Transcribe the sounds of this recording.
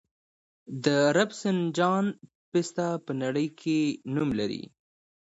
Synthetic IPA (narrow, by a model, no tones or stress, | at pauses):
d̪əɾabsɪnd͡ʒɑn | pɪst̪apənaɽəjkʰenumlaɾḭ